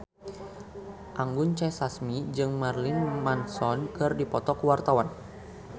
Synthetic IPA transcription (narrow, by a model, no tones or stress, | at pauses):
ʔaŋɡʊnt͡ʃasasmid͡ʒɨŋmarlinmansɔnkɨrdipɔt̪ɔkuwart̪awan